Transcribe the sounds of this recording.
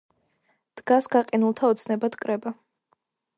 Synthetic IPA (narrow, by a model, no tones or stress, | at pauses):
d̪̥ɡasɡaqʼɛnulˠt̪ʰaɔt̪sʰnɛbat̪ʰkʼɾɛba